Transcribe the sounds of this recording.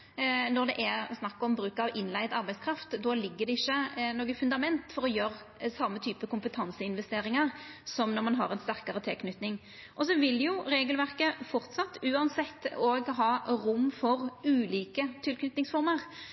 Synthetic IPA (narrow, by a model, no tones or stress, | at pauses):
nɔɾd̪ɛʔɛɾsnɑkːɔmbɾʉːkɑʋʔɪnlæɪd̪ɑɾbæɪdskʰɾɑft̪d̪ɔlɪɡːəɾd̪ɛɪçːənoːɡəfʉnd̪ɑmɛnt̪fɔɾɔjøɾ | sɑmːət̪ʰyːpəkʰʊmpət̪ʰɑnsəɪnʋɛst̪eːɾɪŋɑʁsɔmnɔɾmɑnɦɑ̰ɾɛnst̪æɾkɑɾət̪ʰɪlkʰnʏt̪nɪŋ | ʔɔsɔʋɪljʊɾeːɡəlʋæʁkəfɔɾt̪sɑt̪ːʉːɑnsɛt̪ːoɡɦɑːɾʊmːfɔʁʉːliːkət̪ʰɪlkʰnʏt̪nɪŋsfɔɾməɾ